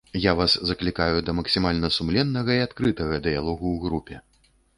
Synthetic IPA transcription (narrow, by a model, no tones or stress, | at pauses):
javaszɐklʲikajud̪ɐmɐksʲimalʲnɐsumlʲɛnːɐɣɐiat̪kɾɨt̪ɐɣɐd̪ɨjalˠɔɣuwɣɾupʲɛ